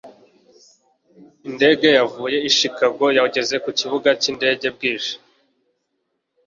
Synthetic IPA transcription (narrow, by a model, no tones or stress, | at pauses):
inde̞ːɡe̞javuːje̞iʃikaɡo̞jaɟe̞ze̞kuciβuɡacinde̞ːɟe̞b̚ɡiːʃḁ